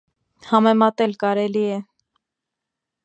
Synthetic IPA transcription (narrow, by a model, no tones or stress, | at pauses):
hɑmɛmɑt̪ɛlkɑɾɛliɛ